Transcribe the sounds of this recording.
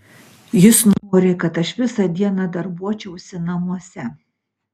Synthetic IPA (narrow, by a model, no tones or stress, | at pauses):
jɪsnoːɾʲɪkɐt̪ɐʃʋʲɪsɐd̪ʲiɛnɑd̪ɐɾbuɔt͡ʃʲɛʊsʲɪnɐmuɔsʲɛ